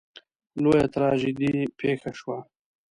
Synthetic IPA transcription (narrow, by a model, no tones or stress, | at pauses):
lojat̪ɾɑːʒid̪ipʰeːxaʃwa